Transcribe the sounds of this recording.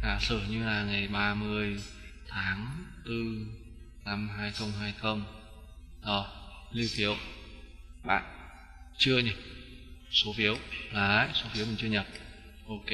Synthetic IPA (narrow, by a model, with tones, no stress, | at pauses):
ʔaː˨˩sɨː˧˩ɲɨ˧laː˨˩ŋa˨˩jɓaː˧mɨ˧əjt̪ʰaː˨˦ŋt̪ɨ˧ | na˧mɦaː˧jxə˧wŋ͡mɦaː˧jxə˧wŋ͡m | ɗɔ˨˩li˧wfi˨˦əw | ɓa̰ː˧˨n | t͡ɕɨ˧əɲa˨˩p̚so˨˦fi˨˦əwlaː˨˩la̰ː˧˨jso˨˦fi˨˦mi˨˩ŋt͡ɕɨ˧əɲə˨˩p̚ | ʔo˧ke˧